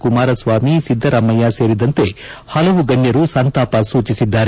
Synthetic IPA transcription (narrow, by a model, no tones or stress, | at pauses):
kumaːɾɐsʋaːmisid̪ʱːɐɾɐmːɐjaːse̞ːɾid̪ɐnt̪e̞ː | hɐlɐʋuɡɐɲjɐɾusɐnt̪aːpɐsuːt͡ʃisid̪ːaːɾ